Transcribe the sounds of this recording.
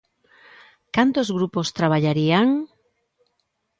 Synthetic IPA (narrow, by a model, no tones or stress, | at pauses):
kant̪ozɣɾupost̪ɾaβ̞aʎaɾiaŋ